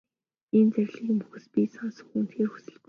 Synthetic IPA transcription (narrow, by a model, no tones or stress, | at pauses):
int͡sæɾʲɮiːmpuxɘ̆spiːsɔnsɵ̥xŭn̥t̪ʰxeːrxu̥sɘ̆ɮp